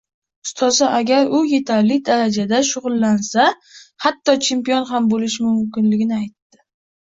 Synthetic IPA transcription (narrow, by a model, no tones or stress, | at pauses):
ʊ̥st̪ʰɒsaʔaɡʲaɾʊje̞t̪ʰaɾlɪd̪aɾad͡ʒad̪aʃʊʁʊlˠːansa | hat̪ʰːɒt͡ʃʰe̞mpijonɦambolɪʃmʊmkʲɪnlɪɡʲɪnɪajt̪ːɪ̥